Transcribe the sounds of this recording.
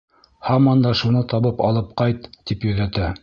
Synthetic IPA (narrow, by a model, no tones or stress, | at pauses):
hɑmɑnd̪ɑʃunɤt̪ɑβɤpɑ̰lˠɤp̚qɑjt̪ːipjɵ̆ðæt̪æ